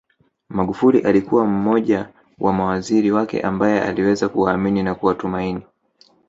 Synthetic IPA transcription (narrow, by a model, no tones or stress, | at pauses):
maɠufuliʔalikuwam̩mɔʄa | wʔamawaziɾiwakɛ̰ʔambajɛa̰liwɛzakuwaːmininakuwatumaini